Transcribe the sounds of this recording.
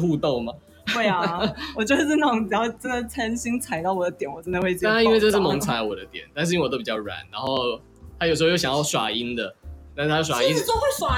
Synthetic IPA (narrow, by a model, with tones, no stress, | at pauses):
xu˥˧t̪o˥˨˩ʊma˨˩ | we˥˩ɪa˨wɔ˨t͡ɕwɔ˥˩d̪ə˨˩˥na˥˩˨jɑ˥˩ʈ͡ʂə˦˥nd̪ə˨t͡sʰa˥nɕi˥ŋt͡sʰa˨˩ɪt̪ɑ˥˩ʊwɔ˨˩d̪ə˦t̪jɛ˨˩˦nwɔ˨˩ʈ͡ʂə˦nd̪ə˨xwe˥˧ɪt͡ɕji˥nwe˥˧ɪʈ͡ʂə˥˧ʂɻ̩˥˩mɔ˧˥˦ŋt͡sʰa˨˥ɪə˦wɔ˨˩d̪ə˦t̪jɛ̰˨˩˦nt̪a˥˧nʂ̬ɻ̩˥˧˥wto˥ʊpi˨˩t͡ɕjɑ˥˩ʊɻa̰˨˩˦nɻa˧˦˥nxo˥˩ʊ | t̪ʰa˥jo˨˩ʂ̬̩˧˥˧jo˥˩ɕjjɑ˥˩ʊʂwa̰˨˩i˦˥nd̪ə˨t̪a˥nʂ̩ʰ˥a˥o˥˩swa˧˩i˥no˥xwe˥˩swa˥˩